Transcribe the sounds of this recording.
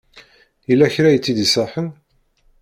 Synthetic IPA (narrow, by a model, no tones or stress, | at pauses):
jəlːæçɾæjət͡sːid̪isˤəħən